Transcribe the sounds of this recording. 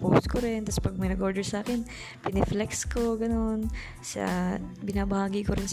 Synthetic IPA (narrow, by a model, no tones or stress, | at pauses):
post̪koɾɪnt̪aspɐɡ̚mɐjnɐɡʔo̞ːd̪ɛɹsaːkɛn | pɪnɛflɛkskoɡɐno̞n | sa̰bɪnaːbɐhaːɡikoɾɪns